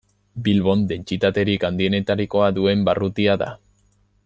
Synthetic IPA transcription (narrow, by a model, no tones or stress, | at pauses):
bilβo̞nd̪e̞nt͡sit̪at̪e̞ɾikand̪ie̞ne̞t̪aɾiko̞aðue̞mbarut̪iaða̰